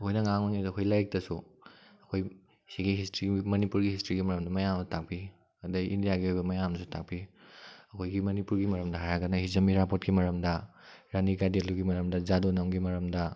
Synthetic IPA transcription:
hojnɐŋaŋmoniɐkʰojlajk̚tɐsuɐkʰoj | siɡiɦistɾiɡmɐnipuɾɡihistɾiɡimɐɾɐmdɐmɐjamtʰak̚pi | ɐdɐʔindijaɡiojbɐmɐjamsutʰak̚piɐkʰojɡimɐnipuɾɡimɐɾɐmdɐɦaɾaɡɐnɐɦizɐmiɾapot̚kimɐɾɐmdɐɾanikadeluɡimɐɾɐmdɐzadonɐmɡimɐɾɐmdɐ

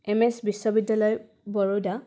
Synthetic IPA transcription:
ɛmɛsbisːɔbidjalɔj | bɔɹoda

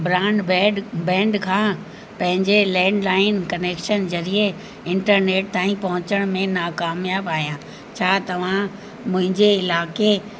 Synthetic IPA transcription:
bɾãːɳɖbɛ̃ːɖbɛ̃ːɳɖkʰãː | pɐ̃ɦɪ̃ɲd͡ʑelɛ̃ːɳɖlaːɪnkɐneːkʃənd͡ʑɐɾie | ɪ̃ɳʈəɾneːʈ̚t̪ãːĩpɐɦʊ̃t͡ɕəɽ̃mẽnaːkaːmjaːbaːijãː | t͡ɕʰaːt̪ɐʋ̤ã | mʊ̃ɦɪ̃ɲd͡ʑeɪlaːke

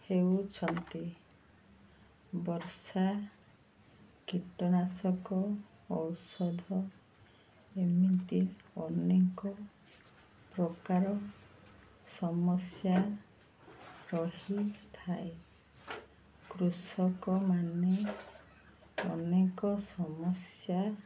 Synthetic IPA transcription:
hewt͡ʃʰɔnt̪i | bɔɾsa | kiʈɔnasɔkɔː | wsɔd̪ʱɔ | emint̪iɔnekɔ | pɾɔkaɾɔ | sɔmɔsja | ɾɔɦit̪ʰae | kɾusɔkɔmane | ɔ̰nekɔsɔmɔsja

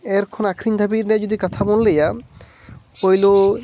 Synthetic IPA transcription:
eɾkʰonakʰɾind̪ʱabiɾnɛd͡ʑod̪ikat̪ʰabolːeja | ojlo

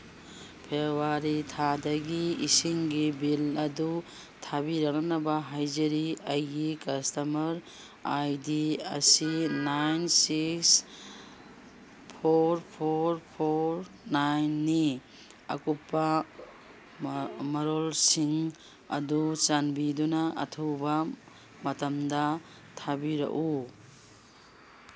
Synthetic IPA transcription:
pʰewaɾitʰadɐɡiisiŋɡibilɐdu | tʰabiɾak̚nɐnɐbaɦajd͡ʒɐɾiɐjɡikɐstɐmɐɾ | ajdiɐsinajnsiks | pʰoɾpʰoɾpʰoɾ | najnːi | ɐ̰kupːɐ | mɐɾolsiŋ | ɐ̰dut͡ʃanbidunɐʔɐ̰tʰuwbɐ | mɐtɐmdɐ | tʰabiɾɐ̰ʔu

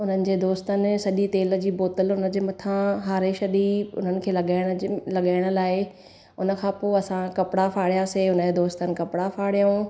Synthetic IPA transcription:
ʊn̤ənɪ̆d͡ʑeːd̪oːst̪ənɪ̆sɐʄit̪eːlə̆d͡ʑiːboːt̪əlʊnəd͡ʑeːmɐt̪ʰãɦaːɾeʃɐɗiʊ̰n̤ənɪ̆kʰeːlɐɠaːɪɽ̃lɐɠaːɪɽ̃ə̆laːɪ | ʊnə̆kʰãpoːɐsãkɐpɪɽafaːɽijaseʊnəd͡ʑed̪oːst̪ənɪ̆kɐpɪɽafaːɽijũ

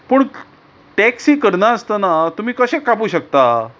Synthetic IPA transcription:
pəːɳ | ʈɛksiːkəɾɳaəst̪ənat̪um̤iːkəɕekːapuːɕək̚t̪a

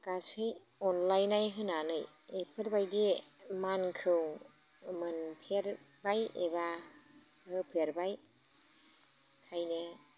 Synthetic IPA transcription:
kasɯj | ɔnlajnajɦɯnanɯj | epʰɯɾbajdimankʰɯw | mɯnpʰeɾ | bajeba | hɯpʰeɾbaj | kʰajnɯ

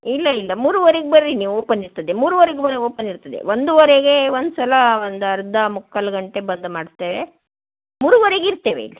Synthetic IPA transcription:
ilːɐilːɐmuːɾuʋɐɾeɡebɐɾɾiniːʋoːpɐniɾt̪ɐd̪emuːɾuʋɐɾeɡebɐɾeɡoːpɐniɾt̪ɐd̪ḛʋond̪uʋɐɾeɡe̞ʋond̪usɐlɐond̪uɐɾd̪ɐmukːɐlɐɡɐɳʈe̞bɐnd̪umaːɽt̪eːʋe | muːɾuʋɐɾeɡiɾt̪eːʋḛḭlːi

